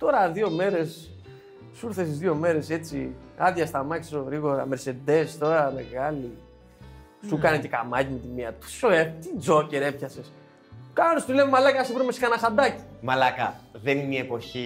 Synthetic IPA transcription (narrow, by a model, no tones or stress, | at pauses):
t̪o̞ɾɐðio̞me̞ɾe̞s | suɾθesizðio̞me̞ɾe̞se̞t͡sḭ | ɐðʝɐst̪amɐki̥soɣɾiɣo̞ɾɐ̰me̞ɾse̞d̪e̞st̪o̞ɾɐme̞̰ɣɐli | sukɐnec̪ekamɐcimet̪imiɐt̪i̥soet̪id͡zo̞ce̞ɾe̞pçɐses | kanest̪ulemmalɐkɐsupɾimesi̥kɐnɐsad̪ɐci̥malɐkɐ̰ðeniniepo̞çi